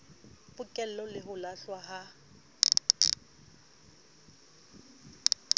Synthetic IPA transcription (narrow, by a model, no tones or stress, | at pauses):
pʊkʼɛl̩lɔlɪɦʊlaɬwaɦa